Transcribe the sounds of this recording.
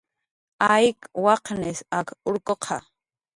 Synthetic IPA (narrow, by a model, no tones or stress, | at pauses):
ajkwɑqnɪsakʊɾkoqʰɑ